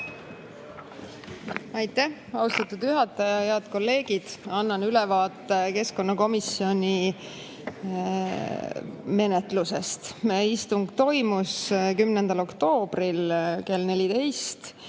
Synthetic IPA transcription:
ɑjt̪ːæhɑust̪ɑt̪ːud̪̥yɦɑt̪ːˑɑjɑjeɑd̪̥ko̞lːe̞ːɡ̥id̪̥ɑnːɑnylɛvɑːt̪ːˑeke̞sko̞nːɑko̞misio̞nʲi | me̞net̪ˑluse̞̰st̪meist̪uŋɡ̥t̪o̞jmuskymnend̪̥ɑlo̞kt̪o̞ːb̥rilke̞lne̞lit̪e̞jst̪

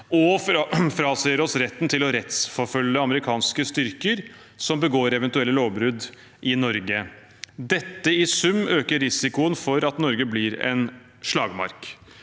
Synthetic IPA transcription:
ɔfɾɑːsɛəɾɔsɾɛt̪ːn̩t̪ʰɪlɔɾɛt̪sfɔɾfœlːəɑməɾɪkʰɑːnskəst̪ʏɾkəɾ | sɔmbəɡoːɾɛʋɛnt̪ʉɛlːəloːʋbɾʉd̪ | ʔɪnɔɾɡə | d̪ɛt̪ːəɪsʉmːøːkəɾɾɪsɪkʊənfɔɾɑt̪nɔɾɡəblɪɾɛ̰n | ʂɭɑːɡmɑ̰ɾk

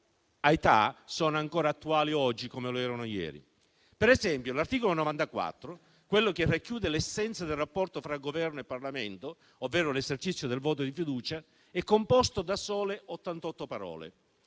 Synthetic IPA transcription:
ajt̪a̰sɔːnoaŋkɔːɾaːt̪ːuaːliɔd͡ʒːikomeloɛːɾanojɛ̰ːɾḭ | pɛɾɛzɛmpjolart̪iːkolonovant̪akwa̰t̪ːɾʊ | kwelːok̟erːakːjuːd̪elɛsːɛnt̪sad̪elrːapːɔrt̪ofɾaɡovɛrnoepːarlament̪o | ovːɛːɾʊlezert͡ʃit̪sːjod̪elvɔːt̪̬od̪ifid̪uːt͡ʃa | ɛkːompɔst̪od̪asɔːleʔot̪ːant̪ɔt̪ːopaɾɔ̰ːlḛ

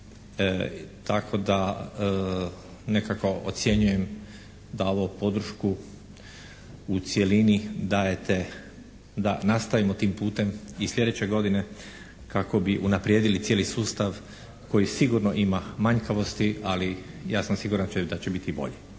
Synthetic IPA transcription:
t̪akʰo̞d̪a | nekako̞o̰t̪sʲje̞ɲuje̞m | d̪ao̞ʋopo̞d̪ɾ̩ʃku | ut̪sje̞linid̪ajet̪e | d̪a̰nast̪aʋimot̪iːmpuːt̪e̞mislʲʎe̞d̪et͡ɕe̞ɡo̞d̪ine̞ | kako̞biʔunapɾjeːd̪ilit̪sjeːlisuːst̪aʋ | ko̞jisiɡuɾno̞ʔimamaɲkaʋo̞st̪iali | jaːsamsiɡuɾant͡ʃed̪at͡ɕebit̪ibo̞̰ʎe

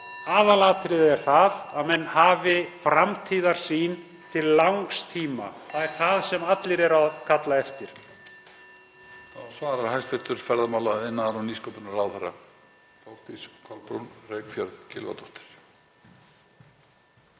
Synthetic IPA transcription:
aːðalaːt̪ʰɾɪðɪðɛɾ̥θaðaðmɛnːhaːvɪfɾamt̪ʰiːðaɾ̥siːn | t̪ʰɪlːawŋkst̪ʰiːma̰θaðɛɾ̥θaðsɛmat̪lɪɾɛɾaðkʰat̪laɛft̪ɪɾ̥ | θasvaːɾaɾhajst̪ɛft̪ʏɾ̥fɛɾðamawlaɪnːaɾaniːskowpɪnaɾawθɛɾːa̰ | fɔwl̥t̪iskʰɔlpɾunreːjkfjœɾðcɪ̰lva̰t̪ʰɔht̪ɪ̥ɾ̥

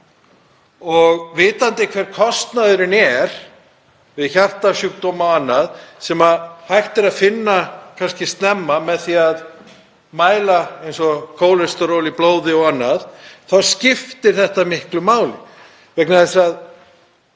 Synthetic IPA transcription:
ɔɣvɪːt̪ant̪ɪkʰvɛːɾ̥kʰɔst̪naðʏɾɪnɛɾ̥ | vɪðçar̥t̪asjʏk̚t̪oːmaanːaðsɛmahajht̪ɪɾaðfɪnːakʰanscɪst̪nɛmːamɛðθiað | maːjlaejnsɔkʰoːwlɛst̪ɔɾowliploːwðɪɔɣanːaðθawscɪft̪ɪɾ̥θɛht̪amɪhklʏmaːwlɪ̰ | vɛknaðɛsað

